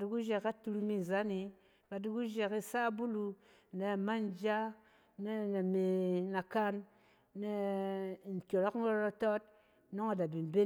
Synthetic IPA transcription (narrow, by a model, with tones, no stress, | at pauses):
du˧ɡu˦ʒe˧ka˦tu˧ɾu˧mi˦˨za˦ni˧ | ka˨du˧ɡu˦ʒe˧ki˦sa˦bu˦lu˧ | ne˨ma˦nd͡ʒa˦ | ne˦na˨me˨na˨ka˦nː | e˦˨ | n̩˨kʲo˨ɾo˦kn˦o˦ɾa˧to˦t̚ | no˦ŋa˨da˨bi˨m˨be˦